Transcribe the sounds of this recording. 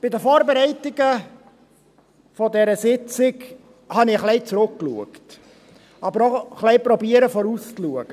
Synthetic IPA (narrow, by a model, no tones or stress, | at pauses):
b̥ɪdəfɔːɾbeɾɛɪtɪɡə | fɔdɛɾəsɪt͡sɪk | hɑnɪχlɛɪt͡sɾʊkːluəkt | ɑbəɾoχlɛɪpɾɔbiːəɾəfɔɾust͡sluəɡ̥ə